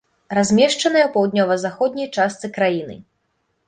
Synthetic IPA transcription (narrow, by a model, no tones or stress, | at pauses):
razʲmʲɛʂt͡ʂɐnɨjɛwpɐwd̪̚ʲnʲɔvɐzaxɔd̪̚ʲnʲɐjt͡ʂast̪sɨkɾajinɨ̰